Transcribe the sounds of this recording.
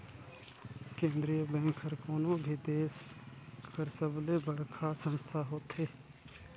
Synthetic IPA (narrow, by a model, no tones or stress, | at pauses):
kẽːnd̪ɾijəbɛ̃ːŋkʰəɾkoːnõːbʱiːd̪eːskəɾsəbleːbəɽkʰaːsə̃nst̪ʰaːɦoːt̪ʰeː